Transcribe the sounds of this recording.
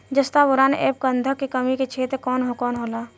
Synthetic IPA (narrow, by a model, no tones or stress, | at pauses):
d͡ʒəst̪abʊɾaːnḛːp̚kə̃nd̪ʱəkːekəmiket͡ʃʰeːt̪kɔːnɦokɔːnɦoːlaː